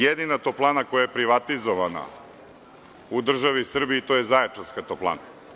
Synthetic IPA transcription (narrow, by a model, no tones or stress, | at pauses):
jed̪inat̪oplˠanakojajepɾiʋat̪izoʋana̰ | ud̪r̩ʒaʋisr̩biːt̪ojezaet͡ʃanskat̪oplˠa̰na